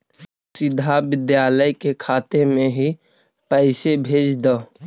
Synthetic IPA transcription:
sɪd̪ʱabɪd̪jaːləjkekʰaːt̪emẽɦi | pɛɪsebʱeːd͡ʒd̪əː

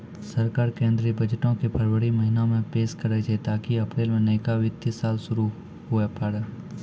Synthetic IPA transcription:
səɾkaːɾkẽːnd̪ɾibəd͡ʒʈõkepʰɐɾʋəɽiməɦinamẽpeːʃkəɾɛt͡ʃʰet̪aːkiɐpɾeːlmẽneːkaʋɪt̪ːɪsaːlʃʊɾu | ɦʊepəɽ

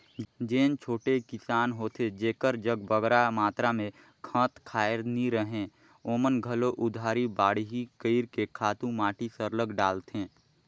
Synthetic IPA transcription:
d͡ʒeːnt͡ʃʰoːʈekɪsaːnɦoːt̪ed͡ʒeːkəɾd͡ʒəɡbəɡɾamaːt̪ɾamẽ | kʰə̃ːt̪kʰaːjɪɾniɾəɦẽ | oːmənɡʱəloʔʊd̪ʱaːɾibaːɽiɦikəɪɾkekʰaːt̪ũmaːʈisəɾləɡɖaːlt̪ẽː

